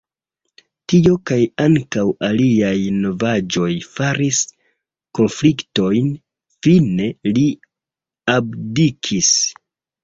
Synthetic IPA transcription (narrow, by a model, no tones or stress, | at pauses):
tio̞kajaŋkawaliajno̞vad͡ʒo̞jfaɾis | ko̞nflikto̞jn | fine̞li | abdikʰis